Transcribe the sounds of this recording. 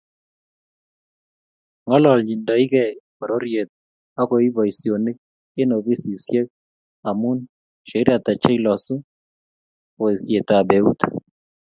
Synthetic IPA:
ŋɔ˦lɔ˨lɲi˨ndɔ˨i˦kɛ˨ | o˨ɾo˦ɾje˨t̪̚ | a˦ko˨i˦bɔ˨isjo˨nɪ˦k̚ | ɪ˦no˨bi˦si˨sjɛ˦k̚ | a˨mʊ˦n | ʃe˨˦ɾa˨ta˨t͡ʃe˦lɔ˨sʊ˦ | o˨i˨sje˨t̪a˨bɛ˨u˦t̪

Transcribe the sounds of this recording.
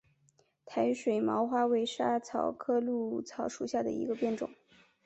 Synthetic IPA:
t̪ʰa˧˥ɪ˥ʂwe˨˩ɪmɑ˧˥ʊxwa˥we˧˥ɪʂa˥t͡sʰɑ˨˥˩ʊkʰɤ˥lu˥˩t͡sʰɑ˧˥ʊʂu˨˩ɕja˥˩d̪ə̰˩ḭ˧˥ɡə˧pjɛ˥˩nʈ͡ʂʊ̰˨˩˦ŋ

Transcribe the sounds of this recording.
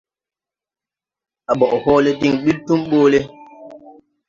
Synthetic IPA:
a˨ɓɔ˨ʔhɔː˦le˦di˦˨ŋɓi˦ltu˦mɓoː˦le˦

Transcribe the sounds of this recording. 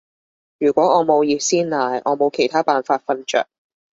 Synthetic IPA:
jyː˨˩kʷɔː˨˥ŋɔː˨˧mo˨˧wjiː˨˧t̚siː˥nlaː˨˩jʔɔ̰ː˨˧mo˨˧wkʰe˨˩jt̪ʰaː˥paː˨nfaː˧t̚fɐ˧nt͡ʃœ̰ː˨k̚

